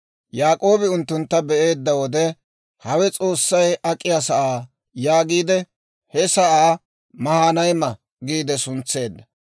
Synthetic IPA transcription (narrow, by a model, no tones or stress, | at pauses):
jaːkʼo̞ːbɪʊnt̪ːʊnt̪ːɐbɛʔe̞ːd̪ːɐwɔd̪ɛ | hɐwɛt͡sʼo̞ːsːɐjɐkʼːɪjasɐʔaː | jaːɡiːd̪ɛ | hɛsɐʔaː | mɐhaːnɐjmɐ | ɡiːd̪ɛsʊnt͡sːe̞ːd̪ːɐ